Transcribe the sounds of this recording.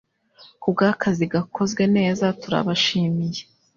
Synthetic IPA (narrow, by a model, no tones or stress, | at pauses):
kub̚ɡaːkʰaziɡakʰo̞zɡwe̞ne̞ːzatuɾa̰βaʃiːmije̞